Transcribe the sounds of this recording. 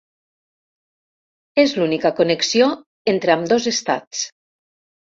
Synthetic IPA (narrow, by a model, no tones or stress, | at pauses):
ezlunikəkoneksio | ent̪ɾeamd̪ozest̪a̰t͡s